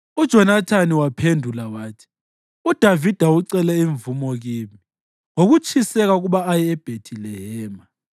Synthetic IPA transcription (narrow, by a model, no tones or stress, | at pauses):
ud̥ʒ̥ʱɔnatʰaniwapʰendʱulawaːtʰi̥ | ud̥ʱavid̥ʱauǀɛlɛiɱvumɔɣiːmi | ŋoɣut͡ʃʰʼisɛɣauɣuɓaːjɛːb̥ʱetʰilɛhɛːma